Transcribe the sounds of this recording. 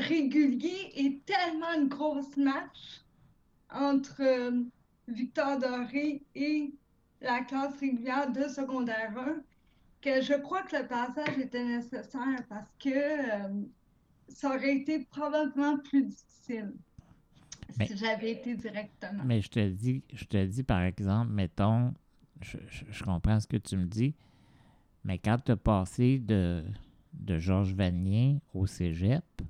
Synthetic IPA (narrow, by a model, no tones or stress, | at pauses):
ʁeɡʲyljeʔet̪ɛlmɑ̃ynɡʁosmaʃ | ɑ̃ːt̪χə | vik̚t̪ɔʁd̪ɔʁee | laklɑsʁeɡʲyljɛːʁd̪əsəɡɔ̃d̪ɛːʁœ̃ | kəʒəkχwakələpaːsaʒet̪ɛnesesɛːʁpaʁsə̥kəm | saɔʁɛet̪epχɔbabləmɑ̃plyd̪ifi̥sil | smɛiʒavɛːt̪eziʁɛk̚t̪əmɑ̃mɛʒət̪əd̪iʒ̥ət̪əd͡z̪ipaʁɛɡzɑ̃plmɛt̪ɔ̃ | ʒəʒəʒ̥əkɔ̃pχɑ̃sə̥kət̪yməd̪i | mɛkɑ̃t̪yapɑːsed̪ə | d̪əʒɔʁʒvanjɛ̃oseʒɛp